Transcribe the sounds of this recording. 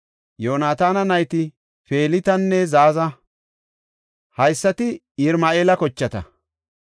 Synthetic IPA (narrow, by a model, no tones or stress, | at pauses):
joːnaːt̪aːnɐnɐjt̪ɪ | fe̞ːlɪt̪ɐnːɛzaːzɐ | hɐjsːɐt̪ɪ | ɪɾmaeːlɐkɔt͡ʃːɐt̪ɐ̰